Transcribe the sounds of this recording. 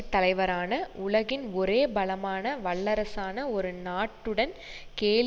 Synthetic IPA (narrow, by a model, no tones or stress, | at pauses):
t̪ːɐlɐɪʋɐɾaːnɐʔʊɭɐɣɪnɔɾeːbɐlɐmaːnɐʋɐɭːɐɾɐsaːnɐɔɾɯnaːʈːɯɽɐnkeːl